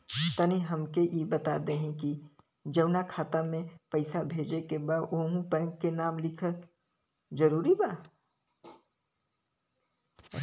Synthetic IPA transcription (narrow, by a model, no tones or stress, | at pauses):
t̪ɐniɦɐmkejebɐt̪aːd̪eɦɛ̃ki | d͡ʒɐʋnakʰaːt̪amẽpɐɪsabʱeːd͡ʒekebaːd̪oːɦũpɛ̃ːŋkkenaːmlɪkʰə | d͡ʒɐɾuːɾibaː